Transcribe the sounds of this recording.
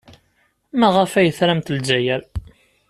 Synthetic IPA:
mæʁəfæjəθɾæmt̪ld͡ʒæjəɾ

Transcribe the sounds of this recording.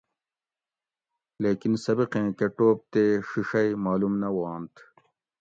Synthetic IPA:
leːkinsɐbiqẽːkeʈoːp̚t̪eʂiʂɐjmaːlumnɐwɑːnt̪

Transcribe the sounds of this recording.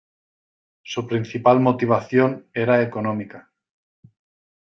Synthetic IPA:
supɾinθipalmot̪iβ̞aθjone̞ɾaekonõmika

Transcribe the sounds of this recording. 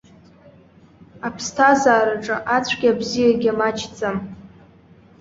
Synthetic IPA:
apʰstʰazaːɾaʈ͡ʂʼɨʔat͡sʷʰɡʲabzijaɡʲamat͡ʃʰt͡sʼɨm

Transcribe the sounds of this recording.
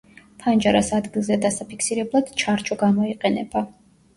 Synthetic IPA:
t̪ʰand͡ʒaɾasad̪ɡilˠzɛd̪asapʰikʰsiɾɛblˠad̪̥t͡ʃʰaɾt͡ʃʼɔɡamɔiqʼɛnɛb̥a

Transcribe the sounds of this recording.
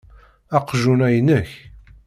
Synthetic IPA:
ɑqʒunæjənəç

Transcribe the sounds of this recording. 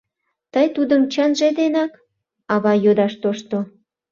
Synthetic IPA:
t̪əjt̪ud̪əmt͡ɕənʒed̪enɑk | ɑβɑjod̪ɑʃt̪oʃt̪o

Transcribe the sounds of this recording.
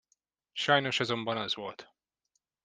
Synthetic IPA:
ʃɒjno̞ʃɒzo̞mbɒnɒzvolt̪

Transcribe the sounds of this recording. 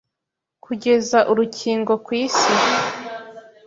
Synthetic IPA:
kʰuɟe̞zaʔuɾucʰiːŋɡo̞kwiːsi

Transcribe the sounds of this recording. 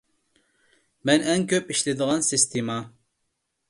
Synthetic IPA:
mɛnɛŋkʲʰøpiʃlɪd̪ɨʁɑnsist̪ʰimɑ

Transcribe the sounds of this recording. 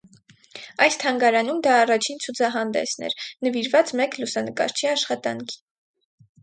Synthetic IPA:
ɑjst̪ʰɑŋɡɑɾɑnumd̪ɑːrɑt͡ʃʰint͡sʰut͡sʰɑɦɑnd̪ɛ̰snɛ̰ɾnəviɾvɑt͡smɛklusɑnəkɑ̰ɾt͡ʃʰiɑʃχɑt̪ɑŋkʰi̥

